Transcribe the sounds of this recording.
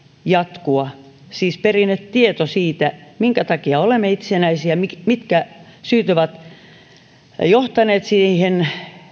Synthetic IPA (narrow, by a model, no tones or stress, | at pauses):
jɑt̪kuɑ | siːsperinet̪t̪iet̪osiːt̪æmiŋkæt̪ɑkiɑolemːˑeit̪senæisiæmimit̪kæsyːt̪øʋæt̪ | joht̪ɑneːt̪sihen